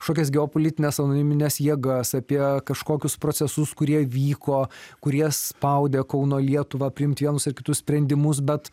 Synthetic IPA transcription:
ʃoːkʲɛsɡʲɛopolʲɪt̪ʲɪnʲɛsɐnoːnʲɪmʲɪnʲɛsjiɛɡɐsɐpʲiɛkɐʃkoːkʲʊspɾoːt͡ssʲɛsʊskʊɾʲiɛʋʲiːkoːkʊɾʲiɛsspɐʊd̪ʲeːkɐʊnoːlʲiɛt̪ʊʋɐːpʲɾʲɪɪmt̪ʲʋʲiɛnʊsɪɾkʲɪt̪ʊssʲpʲɾʲɛnʲd̪ʲɪmʊs̬bʲɛt̪

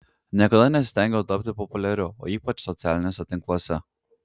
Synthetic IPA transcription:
nʲiɛkɐd̪ɐnʲɛsʲt̪ʲɛˑŋʲɡʲɛt̪ɐp̚ʲt̪ʲɪpɔpʊlʲɛɾʲʊo̰ːiːpɐt͡ʃsɔt̪sʲæːlʲɪnʲoːsʲɛt̪ʲɪ̃ŋklˠuɔsʲɛ

